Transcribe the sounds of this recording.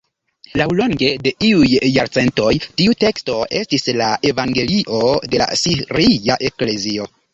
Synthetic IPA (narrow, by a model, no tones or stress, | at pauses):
lawlo̞ŋɡe̞de̞ʔiujːaɾt͡se̞ntojtiute̞ksto̞e̞stislaʔe̞vaŋɡe̞liʔo̞de̞la̰siɾiaʔe̞kle̞zio̞